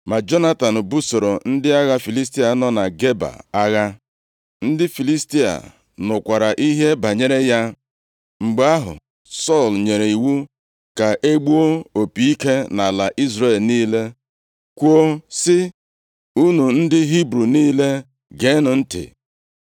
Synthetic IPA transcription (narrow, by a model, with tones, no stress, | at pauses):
ma˨d͡ʒo˦na˦ta˨n̩˨bu˦so˨ɾo˨n̩˦dɪ˦a˦ɣa˦fi˨li˦s̬ti˦a˨nɔ˦na˨ɡe˦ba̰˨a˦ɣa˦ | n̩˦dɪ˦fi˨li˦sti˦a̰˨ | nʊ˨kʷa˨ɾa˨ʔi˦ɦe˦ba˨ɲe˨ɾe˦ja˦ | ŋ͡m̩˨ɡ͡ba˦ɦʊ̰˨ | sɔ˦˨lɲe˨ɾe˨i˨wu˦ | ka˨ʔe˦ɡ͡bu˦o˦o˨pi˨i˦ke˦na˨la˨ʔi˦zɾe˦˨lniː˦le˦ | kʷu˦o˦sɪ˦ | u˦nu˨n̩˦dɪ˦ɦi˦bɾu˨niː˦le˦ | ɡe˨˦nʊ˨n̩˦tɪ̰˨